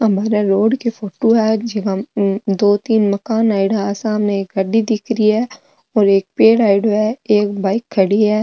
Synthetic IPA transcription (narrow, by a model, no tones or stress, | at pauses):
ɦɐmaːɾaɾoːɖkefoːʈoɦɛd͡ʒeɡɐd̪oːt̪iːnmɐkaːnaːɪɖaaːsãːɦɐmneeːk̚ɡɐɖːid̪ɪkɾiɦɛː | ɔːɾeːk̚peːɽaːɪɖoɦɛeːkbaːɪkʰːɐɽiɦɛː